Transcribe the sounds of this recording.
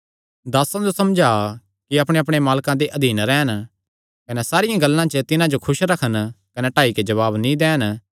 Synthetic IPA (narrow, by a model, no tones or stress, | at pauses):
d̪aːsãd͡ʒosɐmd͡ʒaː | kiɐpɽ̃eɐpɽ̃emaːlkãd̪eʔɐd̪ʱiːnɾɛːən | kɐnɛsaːɾɪjãɡɐlːãt͡ʃət̪ɪnãd͡ʒokʰʊʃɾɐkʰənkɐneʈaːiked͡ʒɐβaːbnĩd̪ɛːən